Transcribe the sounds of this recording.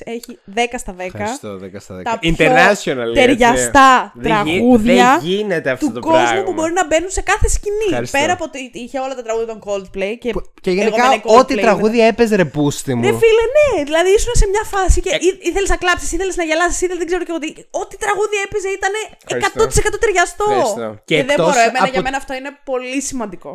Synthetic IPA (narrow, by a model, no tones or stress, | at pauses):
eçiðekɐst̪ɐðekɐt̪oðekɐsɐt̪ɐint̪eɾnɐsionɐleɾʝɐst̪ɐɾɐɣuðɐʝinet̪eɐft̪uooko̞zmupubo̞ɾinɐbe̞nunsekɐθesciniɐispeɾɐpoot̪iiçeo̞lɐt̪ɐt̪ɾɐɣuðjɐt̪o̞ŋkold̪plejce | ceʝeniɣokɐekoott̪ilt̪ɾɐɣuðjɐepezɾepust̪imefileneðilɐðiisunesemɲɐfɐsiceiiθeleznɐklɐpsi̥siθe̞leznɐʝɐlɐsi̥siθeðeɡzeɾoceɣot̪i | o̞t̪it̪ɾɐɣuðiɐepezeit̪ɐne̞ːkɐt̪ot̪i̥sekɐt̪o̞t̪eɾʝɐst̪o̞oceeðebooemenɐʝɐme̞nɐːft̪o̞inepo̞lisimɐnd̪iko̞